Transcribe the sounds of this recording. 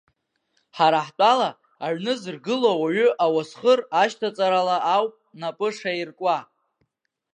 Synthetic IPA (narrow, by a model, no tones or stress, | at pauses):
ħaɾaħt͡pʼalaː | ʕnɨzɨrɡɨlowaɥʏʔawasχəraʃtʰat͡sʼaɾalaʔawpʼnapʼɨʂairkʷʼa